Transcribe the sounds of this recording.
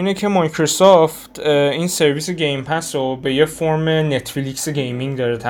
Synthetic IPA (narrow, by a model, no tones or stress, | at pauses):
iːnecʰe̞mɒjkʰɾosɒft̪inse̞ɾviseɟejmpʰæsɾobe̞je̞foɾme̞ne̞t̪ʰflikseɟejmiŋɡd̪ɒːɾet̪ʰæ